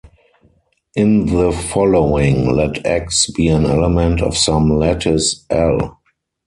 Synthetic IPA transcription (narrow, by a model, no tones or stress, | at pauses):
ʔɪ̃nðəfɔloʊɪ̃ŋlɛtʰɛksbiːæ̃nɛləmɛ̃ntʰɔ̰fsãmlɛtʰəsʔɛl